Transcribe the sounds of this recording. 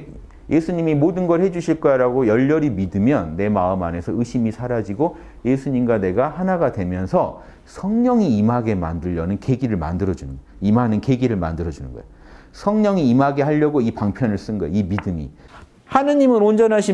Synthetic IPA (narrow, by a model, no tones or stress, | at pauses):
jʔe̞sʰuɲimimodɯnɡʌɭhed͡ʑuɕʰiɭk͈aɾaɡojʌʎːʌɾimidɯmjʌnːe̞maɯmane̞sʰʌɯɕʰimisʰaɾad͡ʑiɡo | je̞sʰuɲimɡane̞ɡahanaɡadwe̞mjʌnsʰʌ | sʰʌŋɲʌŋiːmɦaɡe̞ma̰ndɯʎːʌnɯnke̞ɡiɾɯɭma̰ndɯɾʌd͡ʑunɯn | imɦanɯnke̞ɡiɾɯɭma̰ndɯɾʌd͡ʑunɯ̰nɡʌ̰ḛj | sʰʌŋɲʌŋiːmaɡe̞ɦhaʎːʌɡoipaŋpʰjʌnɯɭs͈ɯnɡʌjḛimidɯmḭ | hanɯɲimɯnond͡ʑʌnɦaɕʰi